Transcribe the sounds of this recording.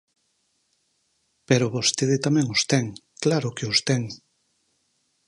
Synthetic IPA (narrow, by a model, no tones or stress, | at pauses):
peɾʊβost̪eðɪt̪amɛ̃ŋost̪ɛŋklaɾʊkeost̪ɛŋ